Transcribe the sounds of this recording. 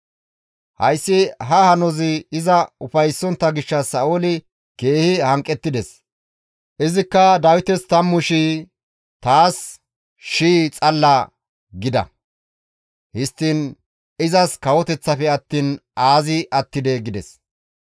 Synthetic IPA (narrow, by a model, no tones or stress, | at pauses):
hɐ̰jsːɪɦɐhɐnɔzɪɪzɐʊfɐjsːɔnt̪ːɐɡɪʃːɐsɐʔoːlɪ | ke̞ːhɪhɐŋkʼːɛt̪ːɪd̪ɛs | ʔɪzɪkːɐd̪ɐwɪt̪ɛst̪ɐmːʊʃi | t̪aːs | ʃiːt͡sʼɐlːɐ | ɡɪd̪ɐ̰ | hɪst̪ːiːn | ɪzɐskɐwɔt̪ɛt͡sːɐpɛɐt̪ːiːnaːzɪʔɐt̪ːɪd̪ɛɡɪd̪ɛs